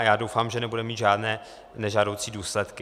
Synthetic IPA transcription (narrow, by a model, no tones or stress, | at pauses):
jaːdo̞wfaːmʒɛnɛbudɛmiːt̪ʒaːdnɛː | nɛʒaːdowt͡siːduːslɛt̪kɪ